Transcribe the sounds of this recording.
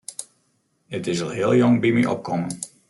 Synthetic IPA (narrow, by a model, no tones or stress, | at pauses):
ətɪzəlˠɦɪːlˠjɔŋbimiʔɔ̰p̚kɔmən